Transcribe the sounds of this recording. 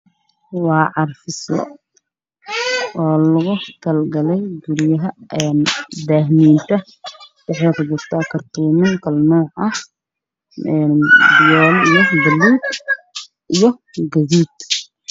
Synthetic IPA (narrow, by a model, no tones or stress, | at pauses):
wɑːʕɑrfɪsɔ̰ | ɔːlɐɣʊkʰɐlɡɐlɛjɡʊɾjɐɦɐɛnd̪aːhmiːnt̪ʰɐ | sɐħiqdʊt̪ʰɐkʰɐrt̪ʰuːmɪŋkʰɐlnɔːʕɐh | ɛnbɪjɔːlijɔbɐlːuːd̪ | ʔijɞɡɐðiːd̪